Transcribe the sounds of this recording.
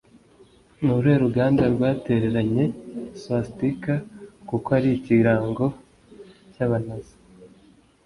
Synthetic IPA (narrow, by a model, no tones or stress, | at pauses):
nuɾe̞ːɾuɡaːndaɾɡwaːte̞ɾe̞ɾaɲe̞sastikakukoaɾiciɾaːŋɡo̞ | caβanazi̥